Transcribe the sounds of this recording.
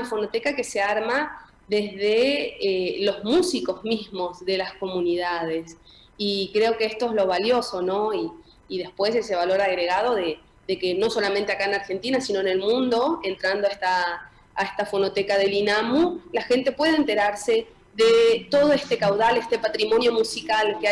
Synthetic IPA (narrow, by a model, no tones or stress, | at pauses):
fo̞not̪ekake̞seaɾma | ðezðeelo̞zmusiko̞zmizmo̞zðe̞lasko̞mũniðað̞es | ikɾeo̞keest̪o̞ezlo̞β̞aljo̞so̞no̞iː | ðe̞hpwe̞sese̞β̞alo̞ɾaɣɾeɣað̞o̞ðe | ðekeno̞so̞lament̪eakaenaɾxe̞nt̪inasino̞ene̞lmũnd̪o̞ent̪ɾand̪oaet̪aː | est̪afo̞not̪ekaðe̞linamulaxe̞nt̪e̞pwe̞ðent̪eɾaɾse | ðet̪o̞ð̞oest̪ekawðalest̪e̞pat̪ɾimo̞njo̞musikalke